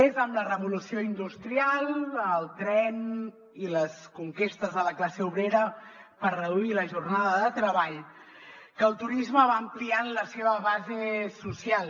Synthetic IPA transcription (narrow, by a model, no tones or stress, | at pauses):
ezəmlərəβulusioind̪ust̪ɾialˠəlˠt̪ɾɛn | iləskuŋkest̪əzðələklaseuβɾeɾə | pəɾrəðuiləʒurnaðəðət̪ɾəβaʎ | kəːlˠt̪uɾizməβaəmplianləseβ̞əβazesusialˠ